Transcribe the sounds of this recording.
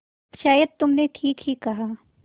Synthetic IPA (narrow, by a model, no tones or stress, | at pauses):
ʃaːjəd̪̚t̪ʊmneʈʰiːkɦikɐɦaː